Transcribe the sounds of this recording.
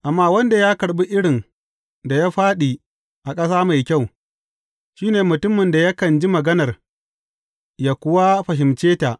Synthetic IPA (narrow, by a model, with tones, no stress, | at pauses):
ʔa˨mːaː˦wɐ˦nda˨jaː˦kɐ˨ɽɓi˦ʔɪ˦ɽɪ˨n | da˨jaː˦ɸaː˦ɗi˨ | ʔa˨kʼɐ˦s̬aː˦ma˨jkʲa˦˨w | ʃiː˦neː˨mʊ˨tʊ˦mːɪ˨nda˨ja˦kɐ˨nd͡ʒi˦mɐ˨ɡɐ˦nɐ˨r | jaː˨kʷʊ˦wa˦ɸɐ˨ɦɪ˨mt͡ʃeː˦ta˨ʔ